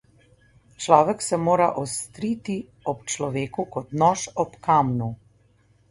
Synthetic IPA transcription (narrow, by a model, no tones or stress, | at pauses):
t͡ʃlaːʋɛksɛmoːɾaʔɔst̪ɾit̪i | ɔpt͡ʃlɔʋeːkukɔt̪nɔːʃɔpkaːmnu